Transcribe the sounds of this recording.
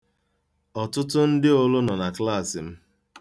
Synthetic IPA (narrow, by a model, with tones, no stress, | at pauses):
ɔ˨tʊ˦tʊ˦n̩˦dɪ˦o˦lʊ˦nɔ˨na˨kla˦˨sɪ˨m̩˦